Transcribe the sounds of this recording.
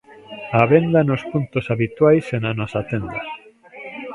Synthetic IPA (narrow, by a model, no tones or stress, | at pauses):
aβend̪anospunt̪osaβit̪wajsenanɔsat̪end̪ɐ